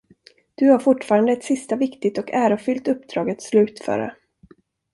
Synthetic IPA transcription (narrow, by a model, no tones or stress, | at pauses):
d̪̥ɵhaɾfʊʈːfɑːɾand̪əɛt̪sɪst̪avɪkt̪ɪt̪ɔkæːɾʊfʏlt̪ɵpːd̪ɾɑːɡɛt̪slʉ̟ːt̪fœ̰ːɾa̰